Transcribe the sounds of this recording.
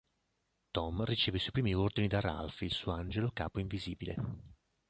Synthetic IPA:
t̪ɔmrit͡ʃeːveswuːjpɾiːmiord̪inid̪ara̰lfilsuːoand͡ʒeloka̰ːpoiɱviziːbilḛ

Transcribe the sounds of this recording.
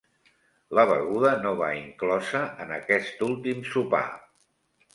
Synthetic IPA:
ləβə̰ɣuðənoβa̰iŋklɔzəənəkɛst̪ulˠt̪imsupa̰

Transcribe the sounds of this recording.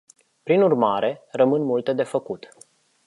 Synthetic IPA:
pɾinurmaɾʔe̞rəmɨnmult̪e̞d̪e̞fəkut̪

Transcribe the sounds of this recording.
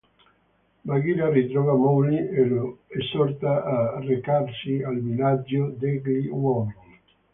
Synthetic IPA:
maɡiɾarit̪ɾɔvamɔlieloesɔɾt̪aʔːrekaɾsialmilad͡ʒod̪ɛɡliwɔmini

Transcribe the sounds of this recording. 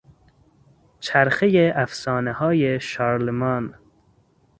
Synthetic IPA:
t͡ʃʰæɾxejeʔæfsɒːnehɒːjeʃɑːɾlemɑːn

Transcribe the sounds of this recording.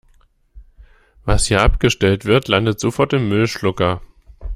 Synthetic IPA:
vashiːɐʔapɡ̥əʃtɛltv̥ɪɐtʰlandətz̥ofɔɐtɪmːʏlʃlʊkɐ

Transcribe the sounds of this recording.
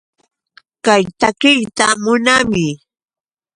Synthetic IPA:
kajt̪akɪjt̪amʊnamɪ

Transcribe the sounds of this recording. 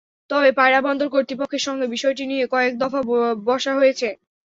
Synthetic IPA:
t̪ɔbepajɾabɔnd̪oɾk̬oɾt̪ipokʰːeɾʃɔŋɡebiʃɔeʈ̬inijekɔek̚d̪ɔfabɔʃaɦojet͡ɕʰe

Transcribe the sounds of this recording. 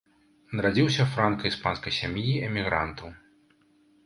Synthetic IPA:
nɐɾad͡zʲiwsʲɐfɾankɐispanskɐjsʲamjiɛmʲiɣɾa̰nt̪ɐw

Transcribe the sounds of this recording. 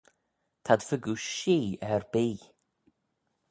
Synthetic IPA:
t̪ʰad̪̥fʏɡuʃiːɛɾbiː

